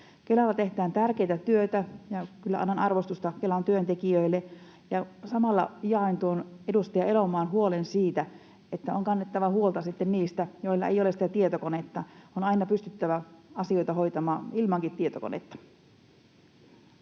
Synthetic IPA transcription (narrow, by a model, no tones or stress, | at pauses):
kelɑlːɑt̪ehd̪æːnt̪ærkejt̪æt̪yøt̪æjɑkylːæ̰ʔɑ̰nːɑnɑrʋost̪ust̪ɑkelɑnt̪yønt̪ekiøilːe | jɑsɑmɑlːɑ̰jɑint̪uonedust̪ɑjɑelomɑːnɦuolensiːt̪æ | et̪ːæoŋkɑnːet̪ːɑʋɑhuolt̪ɑsit̪ːenniːst̪æjoilːɑ̰ḛjolesit̪æt̪iet̪okonet̪ːɑonɑinɑpyst̪yt̪ːæʋæɑsio̞jt̪ɑhojt̪ɑmɑːnilmɑŋkit̪ːiet̪oko̰nḛt̪ːɑ̥